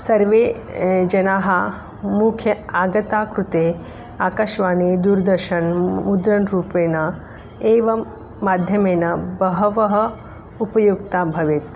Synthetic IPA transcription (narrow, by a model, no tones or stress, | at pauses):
sɐɾʋeː | d͡ʒɐnaːɦa | mukʰjɐaːɡɐt̪aːkɾut̪eː | aːkɐʃʋaːnid̪uːɾd̪ɐɾʃɐnmud̪ɾɐnɾuːpeːnɐ | eːʋɐː | aːd̪ʱjɐmeːnɐbɐɦɐʋɐɦɐ | upɐjukt̪aːbʱɐʋet̪